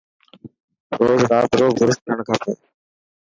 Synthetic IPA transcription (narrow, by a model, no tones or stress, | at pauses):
ɾoːzɾaːt̪ɾoːɡʊɾɪskəɾəɳkʰãːpũː